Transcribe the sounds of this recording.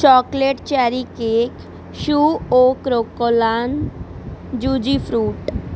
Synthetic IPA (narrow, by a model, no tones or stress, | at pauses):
t͡ɕɔkleʈt͡ɕɛɾikek | ʃuokɾokːolan | d͡ʑud͡ʑifʰɾuʈ